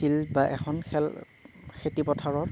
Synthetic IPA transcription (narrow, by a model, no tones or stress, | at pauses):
ilbaʔɛxʰɔnxɛl | xʰetipɔtʰaɹɔ